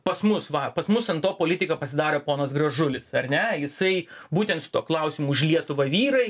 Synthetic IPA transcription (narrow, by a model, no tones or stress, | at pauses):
pɐsmʊsʋɐpɐsmʊsɐnt̪oːpoːlʲɪt̪ʲɪkɐpɐsʲɪd̪ɑːɾʲoːpoːnɐsɡɾɐʒʊlʲɪsɐɾʲnʲɛjɪsɐɪbuːt̪ʲɛnt̪sʊ̥t̪uɔklˠɐʊsʲimuːʊʃlʲiɛt̪ʊʋɐʋʲiːɾɐɪ